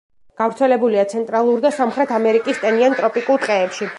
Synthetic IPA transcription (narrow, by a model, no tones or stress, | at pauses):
ɡ̥avɾt̪sʰɛlɛbuliat̪sʰɛnt̪ʼɾalˠuɾd̪asamχɾɛt̪ʰamɛɾikʼist̪ʼɛniant̪ʼɾɔpʼikʼulˠt̪ʼqʼɛːpʃi